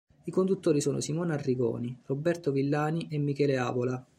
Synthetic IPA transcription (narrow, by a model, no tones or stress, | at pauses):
ikond̪ut̪ːoːɾisoːno̰simoːnarːiɡɔ̰ːnirobːɛrt̪ovilːaːniʔemːikɛːlea̰ːvola